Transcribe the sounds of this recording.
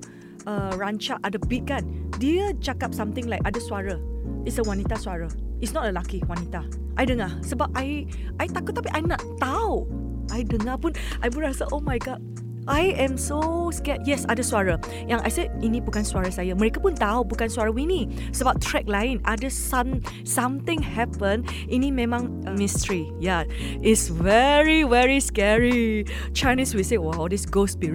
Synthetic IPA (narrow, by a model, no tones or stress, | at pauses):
ʔəɹant͡ʃaʔadəbit̚kandiət͡ʃakap̚sãmt̪ɪ̃ŋlajkadəsuaɹəitsəwanit̪aswaɹə | itsnɔt̚əlakiwanit̪a | ʔajdəŋahsəbap̚ʔaj | ʔajt̪akʊt̪̚ːapiʔajnatt̪ːaw | ʔajdəŋahpunʔajbuɹaasəʔomajɡɔd̚ | ʔajɛ̃msoskɛjɛsadəswaɹə | jãŋʔa̰jseinibukãnswaɹəsajəməɹekapũnt̪awbukãnswaɹəwini | səbatʰɹɛk̚lãj̃nʔadəsãm | sãmt̪ɪ̃ŋhɛpə̃n | ʔinimɛ̃mãŋ | mistəɹi | ja | ʔitsvɛɹivɛɹiskɛɹi | t͡ʃajniswisewaɔdisɡospi